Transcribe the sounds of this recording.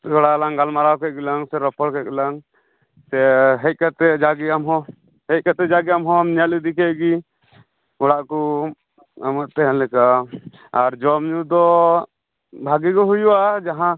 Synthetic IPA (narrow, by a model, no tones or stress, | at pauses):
ɔɽalaŋɡalmaɾawkɛt̚ɡɛlaŋsɛɾɔpʰɔlkɛɡɛlaŋ | sɛɦɛt̚ˀkat̪ɛd͡ʒaɡiamɦɔ̃ | hɛt̚kat̪ɛd͡ʒaɡijamɦɔ̃amɲalid̪ikɛʔɡi | ɔɽaʔku | amat̪ɛɦɛnlɛka | aɾd͡ʒɔmɲud̪ɔ | bʱaɡikɔɦujuad͡ʒaɦã